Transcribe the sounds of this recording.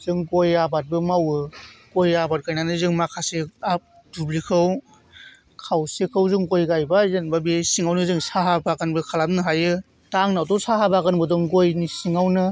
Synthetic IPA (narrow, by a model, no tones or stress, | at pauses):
z̥ɯŋɡojabat̚bɯmawɯɡojabat̚kajnanɯzɯŋmakʰaseap̚ | dubɾikʰɯw | kʰawsekʰɯwzɯŋɡojɡajbazenbabesiŋawnɯzɯŋsaɦabakanbɯkʰalapnɯɦajɯ | taŋnawtɔsaɦabakɯnbɯdɔŋɡojnisiŋawnɯ